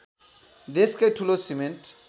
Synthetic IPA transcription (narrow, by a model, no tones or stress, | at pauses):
d̪eskaʈʰulosimẽnʈ